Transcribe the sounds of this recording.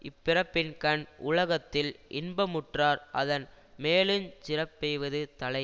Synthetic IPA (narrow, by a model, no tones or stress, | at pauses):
ɪpːɪɾɐpːɪnkɐɳʔʊlɐɣɐt̪ːɪlʔɪnbɐmʊʈraːɾʔɐ̰ðɐn | meːlɯmt͡ʃɪrɐpːɛjʋɐðɯt̪ɐlɐɪ